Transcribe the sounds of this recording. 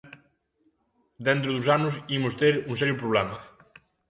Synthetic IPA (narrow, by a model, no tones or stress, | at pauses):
d̪ent̪ɾʊðusanʊsimʊst̪eɾuŋsɛɾjʊpɾoβlɛmɐ